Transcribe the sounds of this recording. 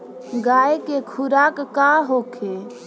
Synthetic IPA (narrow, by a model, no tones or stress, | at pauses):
ɡaekekʰuɾakːaɦokʰe